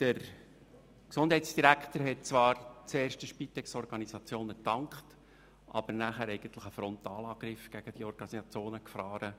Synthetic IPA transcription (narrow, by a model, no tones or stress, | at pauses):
d̥əɾ | ksʊnd̥ɦɛɪsd̥iɾækχt̪əɾɦɛt̚t͡sʋɑːɾt͡seːɾʃtəʃpit̪ɛksɔɾɡɑnisɑt͡sjoːnətɑŋkχt | ʔɑ̰b̥əɾnæχæːɾɛɪɡ̥ənt̪lɪχəfɾɔnt̪ɑːlɑːɡ̥ɾɪfɡ̥æɡ̥əd̥iɔɾɡ̥ɑnisɑt͡sjoːnəkfɾɑːɾə